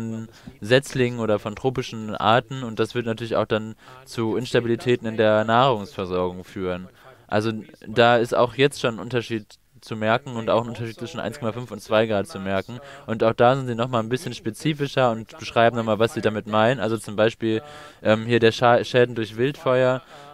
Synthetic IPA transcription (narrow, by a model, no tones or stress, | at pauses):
ɔnzɛt͡slɪŋnoːɾɐfɔntʁ̥oːpɪʃn̩ʔa̰ːɐtn̩ʊntd̥asv̥ɪɐtnatʰyɐlɪçaʊxd̥ant͡suʔɪnʃtabilitʰɛːtn̩ɪndeːɐnaːʁʊŋsfɛɐzɔɐɡʊŋfyːʁ̞ənʔa̰lzodaːɪsta̰ʊxjɛt͡stʃoːnnʔʊntɐʃiːt | t͡sumɛɐkŋ̩ʊntaʊxn̩ʔʊntɐʃ̬iːt̚t͡sv̥ɪʃn̩a̰ɪnskʰɔmafʏnfʊntt͡sv̥aɪɡʁaːtt͡sumɛɐkŋ̩ʔʊntaʊxd̥aːzɪntz̥iːnɔχmaːlnbɪsçənʃpet͡siːfɪʃɐʊntb̥əʃʁ̥aɪbm̩nɔχmaːlvasz̥iːdamɪtmaɪnənʔalzot͡sʊmbaɪʃpiːlʔɛːmhiːɐdeːɐʃaʃɛːdn̩dʊɐçv̥ɪltfɔʏɐ